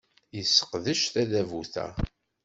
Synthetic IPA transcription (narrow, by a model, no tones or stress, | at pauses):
jəsːə̥qðəʃθæðævuθæ̰